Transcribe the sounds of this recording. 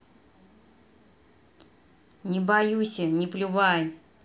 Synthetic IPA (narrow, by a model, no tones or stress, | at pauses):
nʲɪbajusʲənʲɪplʲʊvaj